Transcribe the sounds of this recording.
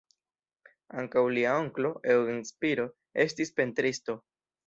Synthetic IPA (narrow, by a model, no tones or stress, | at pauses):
aŋkawliao̞ŋklo̞ewinspiɾo̞ | e̞stispentɾisto̞